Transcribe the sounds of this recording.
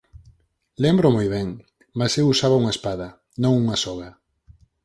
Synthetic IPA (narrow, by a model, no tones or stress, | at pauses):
lembɾʊmojβɛŋ | masewusaβɐuŋɐespaðɐ | nõŋuŋɐsɔɣɐ